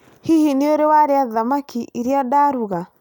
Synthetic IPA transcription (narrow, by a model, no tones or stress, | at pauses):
hihineoɾewaɾeaðamakiʔiɾiadaːɾuɣa